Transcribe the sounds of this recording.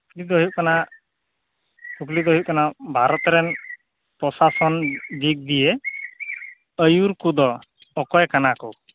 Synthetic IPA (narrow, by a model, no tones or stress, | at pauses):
klid̪ɔɦikana | kuklid̪ɔɦiʔ̚kɔnabʱaɾɔt̪ɾɛn | pɾɔsasɔnd̪ik̚d̪ije | əjuɾkud̪ɔ | ɔkɔjkanakɔ